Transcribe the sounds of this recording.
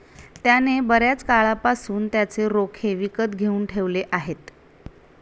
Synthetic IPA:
t̪janebəɾjat͡skaɭapasuːnt̪jat͡seɾokʰeʋikət̪ɡʱeuːnʈʰeʋleʔaɦet̪

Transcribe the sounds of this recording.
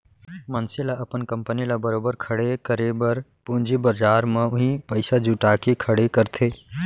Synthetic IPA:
mənsilaəpənkəmpənilabəɾoːbəɾkʰəɽekəɾebəɾpũːnd͡ʒibəɾd͡ʒaːɾmẽʊɦĩpəɪsad͡ʒuʈakekʰəɽekəɾt̪ʰe

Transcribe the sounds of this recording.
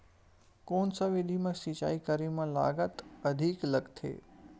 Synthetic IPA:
koːnsə̃ʋɪd̪ʱimɐ̃sit͡ʃa̰ːikəɾimãla̰ːɡət̪ɐd̪ʱikləɡt̪ʰḛː

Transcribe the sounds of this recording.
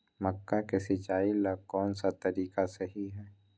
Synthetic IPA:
mɐkːakesɪt͡ʃaːiləɡ̚kɔːnsat̪ɐɾiːkaseɦiɦɛː

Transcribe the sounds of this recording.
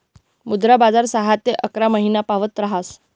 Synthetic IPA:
mud̪ɾabad͡zaɾsaɦat̪ːeʔəkɾaməɦinapaʋət̪ɾaɦas

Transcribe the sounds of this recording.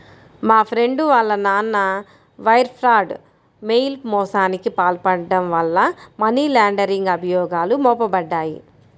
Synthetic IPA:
maːpʰɾe̞ɳɖuʋaːlːɐnaːnːɐ | ʋɐjɾpʰɾaːɖ | mejlmɔːsaːnikipaːlpɐɽɐɖɐmʋɐlːɐmɐniːlaːɳɖɐɾiŋɡɐbʱɐjɔːɡaːlumɔːpɐbɐɖːaːjḭ

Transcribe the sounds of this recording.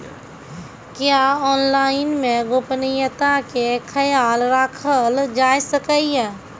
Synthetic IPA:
kjaɔːnlaːɪnmẽɡopnijət̪akekʰəjaːlɾaːkʰəld͡ʒaːjsəkəiɛː

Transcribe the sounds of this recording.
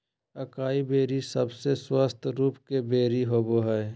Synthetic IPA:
ɐkaːibeːɾisəbseswəst̪ʰɾuːpkebeːɾiɦoːboɦɛː

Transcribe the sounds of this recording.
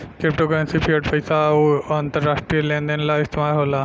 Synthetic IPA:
kɾɪp̚ʈokɾẽnsipʰiəʈpʰəjsaoɐnt̪əɾːaːsʈɾiəlẽːnd̪ənlaɪst̪ɪmaːɾɦoːlaː

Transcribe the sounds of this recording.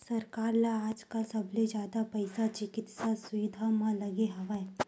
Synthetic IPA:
sɐɾkaːɾlaaːd͡ʒkasɐbʱled͡ʒjaːd̪apɐɪsat͡ʃɪkɪt̪sasʊʋɪd̪ʱamãlɐɡeɦɐʋaɛ

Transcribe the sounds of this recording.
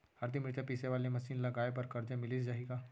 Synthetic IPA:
aɾt̪ʰimɾɪt̪ʰəpiːseʋalemɐsiːnlɐɡajpəɾkəɾd͡ʒəmɪliːsd͡ʒaɦika

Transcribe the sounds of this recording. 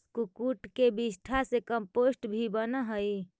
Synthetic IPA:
skukuʈkebisʈʰasekəmposʈbʱibənəɦəj

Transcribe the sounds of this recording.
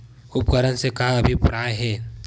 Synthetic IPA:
ʊpkəɾənsekaɦaɐbʱipʊɾaːeɦɛː

